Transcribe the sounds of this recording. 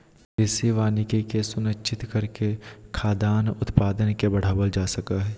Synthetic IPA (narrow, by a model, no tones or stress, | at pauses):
peseʋaːnɪkikesʊnəkːt͡ʃʰɪt̪kɐɾkekʰaːd̪aːnʊt̪paːd̪ənkebɐɽ̤aːʋəld͡ʒaːsɐkaɦɛː